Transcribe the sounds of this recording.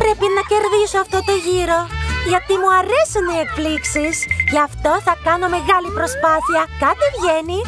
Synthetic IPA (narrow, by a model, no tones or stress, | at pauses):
pɾe̞pinɐce̞ɾðisoɐft̪o̞t̪o̞ʝiɾo̞ʝɐt̪imuɐɾe̞siniekfliksisʝɐft̪o̞θɐkɐno̞me̞ɣɐlipɾo̞spɐθiɐkɐt̪ivʝe̞ni